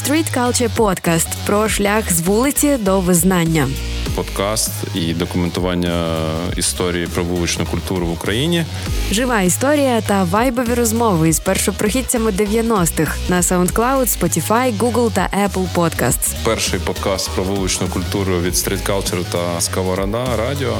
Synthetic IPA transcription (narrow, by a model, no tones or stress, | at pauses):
st̪ɾʲit̪kalˠt͡ʃɛpɔt̪kast̪pɾɔʂlʲaxzʋulˠɨt͡sʲɪd̪ɔʋɨznanʲːɐ | pɔt̪kast̪id̪ɔkʊmɛnt̪ʊʋɑnʲːɐḭst̪ɔɾʲijipɾɔʋulˠʊt͡ʃnʊkʊlʲt̪uɾʊʋʊkɾɐjinʲi | ʐɨʋajɪst̪oɾʲɪjɐt̪ɐʋajbɔʋʲiɾɔzmɔʋɪispɛrʂɔpɾɔxʲit̪ʲɐmɪd̪eʋʲjɐnɔst̪ɪxnɐsɐʊnt̪klˠawd̪spɔtʲifajɡuɡlˠt̪ɐ̰ʔɛplˠpɔt̪ka̰st̪spɛrʃɪjpɔd̪kɑst̪pɾɔʋulˠʊt͡ʃnʊjkʊlʲt̪uɾʊʋʲid̪st̪ɾʲɪt̪kɑlˠt͡ʃɛɾt̪ɐskɐʋɐɾɐd̪ɑɾɑdʲiɔ